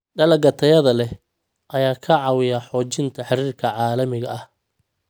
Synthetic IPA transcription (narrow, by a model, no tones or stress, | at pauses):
ɖɐlɐɡɐt̪ʰɐjɐðɐlɛ | ʔɐjaːkʰɐʕɑwɪjaħɔːt͡ʃɪnt̪ʰɐħɑɾiːrkʰɐʕɑːlɐmɪɣɐɐh